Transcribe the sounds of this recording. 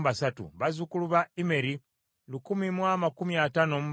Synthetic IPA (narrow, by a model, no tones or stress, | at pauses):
βasatṵβazukuluβaime̞ɾi | lukumimwamakumiatano̞mu